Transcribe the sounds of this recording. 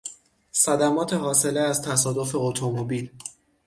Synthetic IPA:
sæd̪æmɒːt̪ʰe̞ɦɒːse̞leæzt̪ʰæs̬ɒːd̪o̞fe̞ot̪ʰomobil

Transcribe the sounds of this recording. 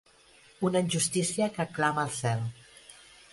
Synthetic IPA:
unəinʲʒust̪isiəkəklaməːlˠsɛlˠ

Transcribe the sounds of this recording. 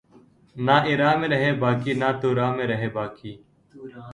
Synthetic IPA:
naːʔɪɾaːmẽːɾəɦeːbaːkiːnaːt̪uːɾaːmẽːɾəɦeːbaːkʰiː

